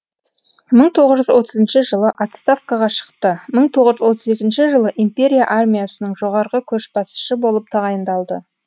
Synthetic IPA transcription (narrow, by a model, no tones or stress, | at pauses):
məɴt̪ʰo̞ʁəzʒʏzwo̞t̪əzənʃəʒəlˠəʔat̪st̪afkɑʁɑʃə̥qt̪əməɴt̪ʰo̞ʁəʒwo̞t̪əze̞k̪ʲɪnʃɪʒəlˠəʔimpe̞ɾʲija̰ʔarmʲijasənəɴʒo̞ʁɑɾʁəkʲʰɵʃbɑsə̥ʃəbo̞lˠəp̚t̪ʰɑʁɑjənd̪ɑlˠd̪ə